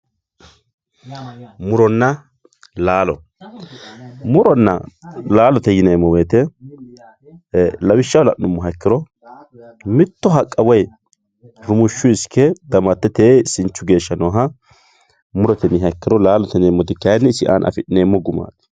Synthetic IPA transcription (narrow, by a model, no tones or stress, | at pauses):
mʊɾɔnːɐ | laːlɔ | mʊɾɔnːɐ̰laːlɔt̪ɛjɪneːmːɔweːt̪ɛ | lɐwɪʃːɐwlɐʔnʊmːɔɦɐkːɪɾɔ | mɪt̪ːɔɦɐkʼːɐwɐj | ɾʊmʊʃːʊɪskʰːɛd̪ɐmɐt̪ːɛt̪eːsɪnt͡ʃːʊɡe̞ːʃːɐnɔɦɐ | mʊɾɔt̪ɛnɪɦɐkːɪɾɔlaːlɔt̪ɛneːmːɔd̪ɪkːɐjnːɛsɪʔa̰ːnʔɐ̰fɪᶑɪneːmːɔɡʊma̰ːt̪ɪ̥